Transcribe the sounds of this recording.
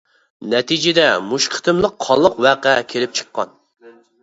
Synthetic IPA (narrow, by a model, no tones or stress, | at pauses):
nɛt̪ʰid͡ʒɪd̪ɛmuʃqʰə̥t̪ʰɨmlˠəqʰːɑlˠːəqwæqækʲʰelɪp̚t͡ʃʰə̥qːɑ̰n